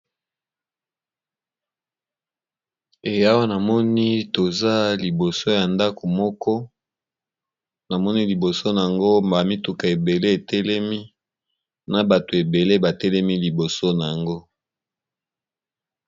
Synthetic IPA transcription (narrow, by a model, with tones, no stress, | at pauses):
e˨ja˦wa˦na˨mɔ˦ni˦to˨za˦li˨bo˨so˦ja˨nda˦ko˨mɔ˦kɔ˦ | na˨mɔ˦ni˦li˨bo˨so˦na˨a˨ŋɡo˦ma˨mi˦tu˨ka˨e˨be˨le˦e˨tɛ˦lɛ˦mi˦ | na˨ba˨to˨e˨be˨le˦ba˨tɛ˦lɛ˦mi˦li˨bo˨so˦na˨ja˨ŋɡo˦